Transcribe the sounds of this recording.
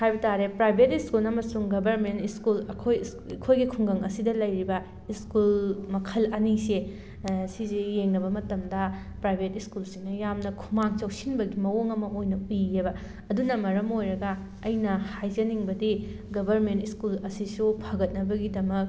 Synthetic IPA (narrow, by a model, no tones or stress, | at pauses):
kʰajbɐtaɾepɾajbʱetiskulɐmɐsuŋɡɐbʱɐɾmentiskulɐkʰoj | kʰojɡikʰuŋɡɐŋɐ̰sidɐlɐjɾibɐ | iskulmɐkʰɐlɐnise | sizijeŋnɐbɐmɐtɐmdɐ | pɾajbʱetiskulsiŋnɐjamnɐkʰumaŋt͡ʃɐwsinbɐɡimɐwoŋɐmɐʔojnɐujːebɐ | ɐdunɐmɐɾɐmojɾɐɡɐ | ɐjnɐhajzɐniŋbɐdi | ɡɐbʱɐɾmentiskulɐsisupʰɐɡɐt̚nɐbɐɡidɐmɐk̚